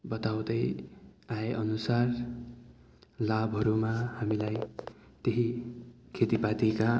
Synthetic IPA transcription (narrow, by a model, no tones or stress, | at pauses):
bʌt̪awd̪ʌjaeʔʌnusar | labʱɦʌɾumahamilaj | t̪eɦi | kʰet̪ipat̪ika